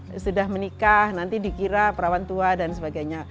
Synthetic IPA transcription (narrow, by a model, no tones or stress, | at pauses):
sudahmənikahnant̪idikiɾapəɾawant̪uadansəbaɡajɲa